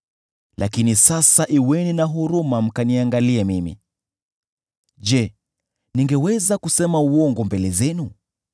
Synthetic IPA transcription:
lʔa̰kinisasaʔiwɛninaɦuɾumam̩kaniaŋɡaliɛmimḭ | d͡ʒɛ | niŋɡɛwɛzakusɛmauɔŋɡɔmbɛlɛzɛnu

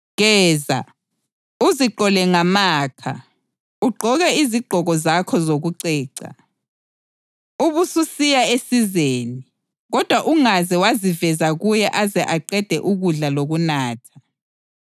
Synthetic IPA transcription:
ɣɛːza̰ | uziǃɔlɛŋamaːkʰa̰ | uɡ͡ǃʱɔɣɛiziɡ͡ǃʱɔɣɔzakʰɔzoɣuǀɛːǀa̰ | uβususijaesizeːni | ɣɔd̥ʱwaʔuŋazɛwazivɛzaɣujɛʔazɛʔaǃɛd̥ʱɛʔuɣuɮaloɣunaːtʰḁ

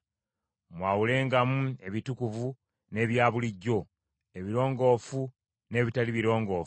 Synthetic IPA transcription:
mwaːwule̞ːŋɡamue̞βitukuvu | ne̞ːβjaːβuliɟːo̞ | e̞βiɾo̞ːŋɡo̞ːfu | ne̞ːβitaliβiɾo̞ːŋɡo̞ːf

